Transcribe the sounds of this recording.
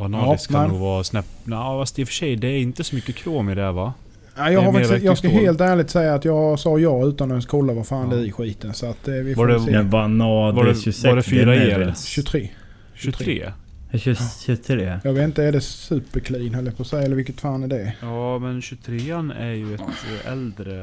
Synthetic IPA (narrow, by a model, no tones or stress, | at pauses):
anɑsvasnɛpnæfasd̪ɛfœ̥ʂɛjd̪ɛæɾɪnt̪əsɔmʏkːəkʰɾoːmɪd̪ɛva | æɪjɑːhaɾfajɑːɡskaɦeːlt̪æːɭɪɡ̚t̪sɛjːaːt̪jɑːɡsɑːjɑːɡʉ̟ːt̪anɔɛnskʰuːlavaɾfaːnd̪ɛɪɧiːt̪ənsɔat̪d̪ɛvɪfɛsɛvanɑːd̪ɕɵsɛɛsɾaɛɕɵt̪ʰɾeː | ɕʰɾeː | ɕɕɵt̪ʰɾeːjɑːɡvet̪ɪnt̪əæɖɛsʉ̟ːpːəkʰliːnɦœlːjapʰɔsɛjɛləɾvɪlkːət̪faːnæɖɛjɑːmɛnɕɵt̪ʰɾeːnæɾjɵɛt̪ɛ̰ld̪ɾə